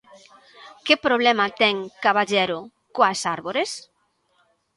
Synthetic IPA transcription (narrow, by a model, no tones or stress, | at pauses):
kɪpɾoβlɛmat̪ɛŋkaβaʎɛɾʊ | koasaɾβoɾes